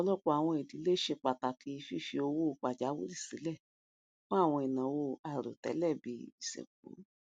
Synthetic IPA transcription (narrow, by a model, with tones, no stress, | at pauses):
ɔ˧lɔ˦˨k͡pɔ˧a˨w̃ɔ̃˧i˨di˨˦le˦ʃe˧k͡pa˨ta˨kʰi˧i˧fi˦fi˧˦o˧wo˦˧k͡pa˨d͡ʒa˨˦wṵ˦ɾi˦˨si˨˦lɛ˦˨ | kɔ̃˦a˦˨w̃ɔ̃˧i˨nã˨wo˧a˨ɾo̰˨tɛ̰˨˦lɛ˦˨bi˧˦i˨sɛ̰˨k͡pṵ˨˦